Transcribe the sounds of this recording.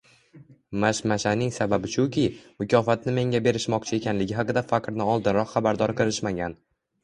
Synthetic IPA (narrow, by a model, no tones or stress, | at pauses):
maʃmaʃanɪŋsababɪt͡ʃʰʊkʲʰɪmʊkʲʰɒfat̪̚nɪme̞ŋʲabe̞ɾɪʃmɒqt͡ʃʰɪe̞kʲʰanlɪɡʲɪɦaɑqɨd̪afaqɾnɪɒlˠd̪ɪnɾɒqχabaɾd̪ɒɾqʰɨɾɪʃmaɡʲan